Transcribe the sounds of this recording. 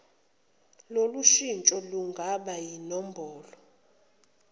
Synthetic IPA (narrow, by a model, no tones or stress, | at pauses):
loluʃint͡ʃʼɔluŋɡʱaɓajinɔm̩bʱɔːlɔ